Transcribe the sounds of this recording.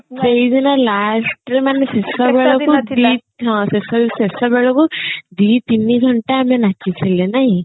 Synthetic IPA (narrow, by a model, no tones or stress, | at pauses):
seid̪inalasʈɾemanesesɔbɛɭɔkud̪iɦɔ̃sesɔsesɔbɛɭɔkud̪it̪iniɡʱɔɳʈaamenakit͡ʃʰilenaɦi